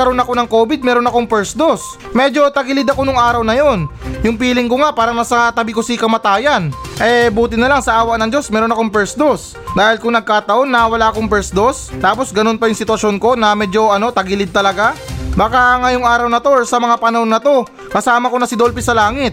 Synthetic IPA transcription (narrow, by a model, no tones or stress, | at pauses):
kɐɾo̞nɐko̞nɐŋkoːbɪd̪̚mɛːɾo̞nɐko̞ŋpɛɹsd̪o̞s | mɛːd͡ʒo̞t̪ɐɡɪlɪd̪ɐko̞nʊŋʔaːɾɐwnɐjo̞njʊŋpiːlɪŋkoŋapaːɾɐŋnɐsɐt̪ɐbɪkosikɐmɐt̪aːjɐnʔɛbuːt̪ɪnɐlaŋsɐʔaːwɐk̚nɐŋd͡ʒo̞smɛːɾo̞nɐkoŋpɛɹsd̪os | d̪aːhɪlkʊŋnɐɡ̚kaːt̪ɐʔo̞nːɐwɐlaːɐkoŋpɛɹsd̪o̞st̪aːpo̞sɡɐno̞npɐjʊŋsɪt̪wɐʃo̞nko̞nɐmɛːd͡ʒo̞ʔɐno̞t̪ɐɡɪlɪd̪̚t̪ːɐlɐɡabaːkaŋɐjʊŋʔaːɾɐwnɐt̪osɐmɐŋapɐnɐhnːɐt̪o̞ | kɐsaːmɐko̞nɐsɪd̪o̞lpɪsɐlaːŋɪt̪